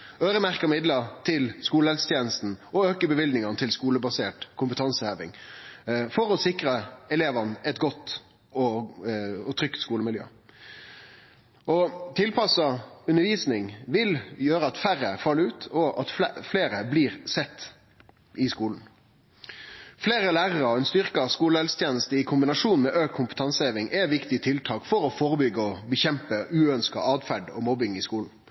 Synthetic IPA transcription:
øːɾəmæʁkəmɪd̪lət̪ʰɪlskuːləɛlst̪ʰjeːnəst̪n̩ʔɔøːkəbəʋɪld̪ɪŋɑnət̪ʰɪlskuːləbɑseːʈkʰʊmpət̪ʰɑnsəhøːʋɪŋ | fɔɾɔsɪkʁəɛleːʋɑnɛt̪ɡɔt̪ː | ɔ | ɔt̪ʰʁʏkt̪skuːləmɪljø̰ː | ʔɔt̪ʰɪlpʰɑsɑʉnəɾʋiːsnɪŋʋɪljøːɾəɑt̪fæɾəfɑlːəʉːt̪ʰɔʔɑt̪ffleːɾəbliːʁsɛt̪ː | ɪskuːln̩ | fleːɾəlæːʁəɾɑɔɛnst̪ʏʁkɑskuːləɛlst̪ʰjeːnəst̪əɪkʰʊmbɪnɑʂuːnmɛːʔøːkkʰʊmpə̥t̪ʰɑnsəeːʋɪŋʔɛʋɪkt̪ɪt̪ʰɪlt̪ʰɑːkfɔɾɔfɔɾəbʏɡːəɔbəçɛmpəʉːœnskɑ̰ʔɑːd̪fæɖɔ̰mɔbɪŋɪskuːln̩

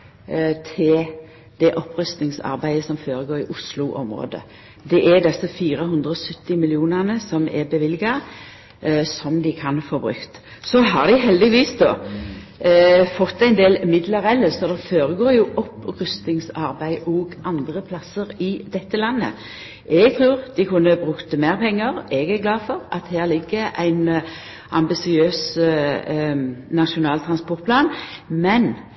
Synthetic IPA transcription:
t̪ʰɪl | d̪̥ɛʔɔpːɾʉst̪nɪŋsɑ̰ɾbæɪəsɔmfoːɾəɡoːɾɪʔʊslʊʔɔ̰mɾo̰ːd̪ə̰ | d̪ɛʔɛd̪ɛsəfiːɾəɦʉnd̪ɾəɔsʉt̪ːɪmɪlɪuːnæʁnəsɔmɛ̰bəʋɪlɡɑ | sɔmd̪ɪkʰɑnfoːbɾʉ̰kt̪ | sɔɦɑʁd̪ɪɦɛld̪ɪʋiːsd̪ɔː | fɔt̪ːæɪnd̪eːlmɪd̪ləɾɛlːəsɔd̪ɑfoːɾəɡoːɾjʊʔɔpʁʉst̪ɪŋsɑʁbæɪʔɔːɡʔɑnd̪ʁəpʰlɑsəɾɪd̪̥ɛt̪ːəlɑnːə̰ | ʔɛɡt̪ʰɾʉːʁd̪̥ɪkʰʉnːəbʁʉkt̪əmeːʁpʰɛŋːəʁɛɡæʁɡlɑːfɔʁɑ̰t̪hæːʁlɪɡːəʔæɪn | ʔɑ̰mbɪsɪøːs | nɑʃʊnɑːlt̪ʰʁɑnspɔʁt̪̚pʰlɑːnmɛn

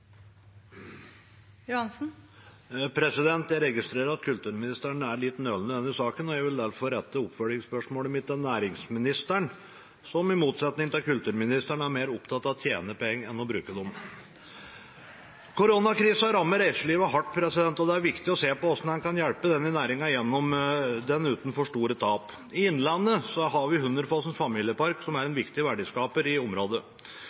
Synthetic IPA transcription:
jʊhɑnsn̩ | pʰɾɛsɪd̪ɛnt̪jæɪɾɛɡɪst̪ɾeːɾəɾɑt̪̚kʰʉlt̪ʉːɾmɪnɪst̪æɳəæɾɭɪt̪ːnøːlnəd̪ɛnːɪsɑːkənɔjæɡʋɪld̪æɾfɔɾɛt̪ːəɔpfœɖɪŋspœʂmoːləmɪt̪ːɛnæːɾɪŋsmɪnɪst̪æɳ | sɔmɪmuːt̪sɛt̪nɪŋət̪ɪkʉlt̪ʉːɾmɪnɪst̪æɳəæɾmeːɾʊpt̪ʰɑt̪ːɑʋt̪ʰjḛːnəpɔɛŋːɛnːɔbɾʉːkəd̪ɔm | kʰʊɾonɑkʰɾiːsəɑɾɑmːəɾæɪsəɭiːʋəɦɑʈːpʰɾɛsɪd̪ɛnt̪ɔd̪ɛæɾʋɪkt̪ɪɔseːpɔɔsnɔhɑnkɑnjælpəd̪ɛnːɪnæːɾɪŋɑjɛnːɔmd̪ɛnʉːt̪n̩fɔʂʈuːɾət̪ʰɑːp | ɪɪnlɑnːəsɔɦɑɾʋɪhʉnd̪ɾəfɑːsənfɑmiːljəpɑɾksɔmæɾɛnʋɪkt̪ɪʋæɖɪskɑːpəɾɪɔmɾoːd̪ə

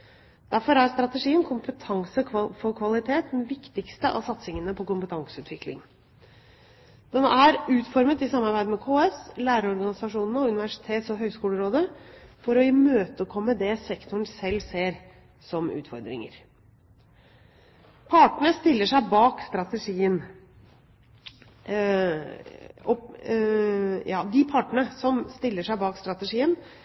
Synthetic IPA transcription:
d̪̥æɾfɔɾhæɾst̪ɾɑt̪əʂiːənkʰʊmpət̪ʰɑŋsəʋɑfɔɾkʰʋɑlɪt̪ʰeːt̪̚mɛʋɪkt̪ɪkst̪əʔɑ̰sɑt̪sɪŋənəpʰɔkʊmpət̪ʰɑŋsəʉːt̪ʋɪklɪ̰ŋ | d̪̥ɛnːəʔæɾʉːt̪fɔɾmət̪ɪsɑmːɑɾbæɪd̪əmɛkʰoːɛslæːɾəɔɾɡɑnɪsɑʂuːnnəɔʉnɪʋæʂɪ̥t̪ʰeːt̪sɔɦœʏskuːləɾoːd̪əfɔɾɔɪmøːt̪əkʰɔmːəd̪ɛsɛkt̪ʊɳsɛlːseːɾ | sɔmʉ̰ːt̪fɔ̰ɾd̪ɾɪ̰ŋə̰ɾ | pʰɑʈəɳəst̪ɪlːəʂæɪbɑːkst̪ɾɑt̪əʂiːən | ɔ | jɑ̰ːd̪ɪpʰɑʈəɳəsɔmst̪ɪlːəʂæɪbɑːkst̪ɾɑt̪əʂiːən

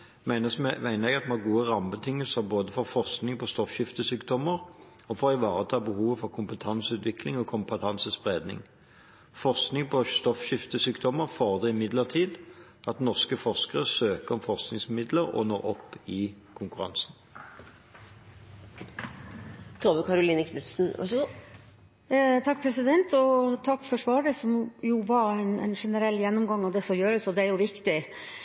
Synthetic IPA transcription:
mæɪnəsmæɪnəʁɛɡɑt̪mɛɑɡuːəʁɑmbət̪ʰɪŋəlsəʁboːd̪əfɔʁfɔʁsknɪŋpʰɔst̪ɔfçɪft̪əsyːkd̪ɔməʁ | ɔfɔʁɪʋɑːʁət̪ʰɑːbəhuːʋəfɔʁkʰʊmpət̪ʰɑnsʉːt̪ʰʋɪklɪŋɔkʰʊmpət̪ʰɑnsəspʁeːd̪nɪ̰ŋ | fɔʁsknɪŋpʰɔst̪ɔfɕɪft̪əsyːkd̪ɔməʁfoːʁd̪ɛɪmɪd̪ləʁt̪ʰiːd̪ | ʔɑt̪nɔʁskəfɔʁskəʁəsøːkəʁɔmfɔʁsknɪŋsmɪd̪ləʁɔ̰noːʁɔpːɪ | kʰʊŋkʉʁɑ̰nsn | t̪ʰɾoːbəkʰɑɾʊliːnəkʰnʉt̪sn̩ʋɑ̰ | t̪ʰɑk̚ːpʰɾɛsɪd̪ɛnt̪ʰɔt̪ʰɑkːfɔʂʋɑːɖəsɔmjʊʋɑɾæɪnɛ̰nʂɛnəɾɛlːjɛnːɔmɡɑŋːɑʋd̪ɛsɔjøːɾəsɔd̪ɛæɾjʊʋɪkt̪ɪ

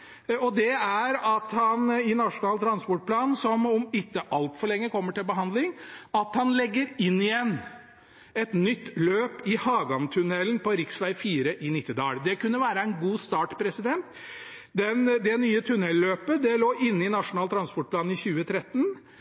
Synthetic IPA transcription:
ɔd̪ɛæɾɑt̪hɑnɪnɑʂʊnɑːlt̪ʰɾɑnspɔʈ̚pʰlɑːnsɔmɔmɪt̪ːəʔɑlt̪fɔɭɛŋːəkʰɔmːəʈɪlbəɦɑnd̪lɪŋɑt̪hɑnlɛɡːəɾɪnːɪjɛnː | ɛt̪nʏt̪ːløːpɪhɑːɡɑnt̪ʰʉnɛlənpʰɔɾɪksʋæɪfiːɾəʔɪnɪt̪ːɪd̪ɑ̰ːld̪ɛkʉnːəʋæːɾəɛnɡuːst̪ɑːʈpʰɾɛsɪd̪ɛnt̪ | d̪ɛnd̪ɛnyːət̪ʰʉnɛlːøːpəd̪ɛloːʔɪnːɪnɑʂʊnɑːlt̪ɾɑnspɔʈ̚pʰlɑːnɪçʉːət̪ʰɾɛt̪ːn

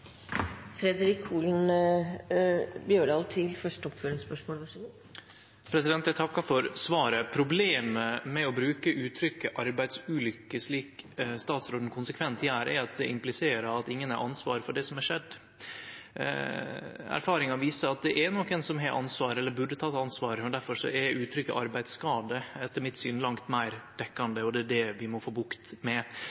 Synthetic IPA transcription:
fɾɛd̪əɾɪkʰːuːln | bjøːɖɑːlt̪ʰɪlfœʂʈəɔpføːɾɪŋspœʂmoːlʋɑʂ | pʰɾɛsɪd̪ɛnt̪jæɪt̪ʰɑkːɑfɔɾsʋɑːɾəpʰɾʊbleːməmɛɔbɾʉːkəʔʉːt̪ʰɾʏkːəʔɑɾbæɪd̪sʉːlʏkːəʂɭiːkst̪ɑːt̪sɾoːd̪n̩kʰʊnsəkʰʋɛnt̪ʰæːɾɛ̰ɾɑt̪̚d̪ɛʔɪmplɪseːɾəɾɑt̪ɪŋːənæɾʔɑ̰nsʋɑːɾəfɔɖɛsɔmæʂɛd̪ː | æ̰ɾfɑːɾɪŋɑʋiːsəɾɑt̪̚d̪ɛʔæɾnɔkːɛnsɔmɦɛɾʔɑ̰nsʋɑːɾəɛlːəɾbʉɖːət̪ʰɑt̪ːɑnsʋɑːɾəmɔnd̪æɾfɔʂɔ̰ɛɾʉːt̪ʰɾʏkːə̰ʔɑɾbæɪd̪skɑːd̪əɛt̪ʰːəɾmɪt̪syːnlɑŋt̪mæɪɾd̪̥ɛkːɑnd̪əɔd̪ɛæɖɛʋɪmɔfoːbʊkt̪mɛ

